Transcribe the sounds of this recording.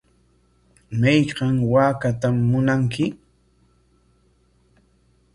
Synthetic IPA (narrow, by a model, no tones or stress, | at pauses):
majqɑŋwaːkat̪amːʊnaŋkɪ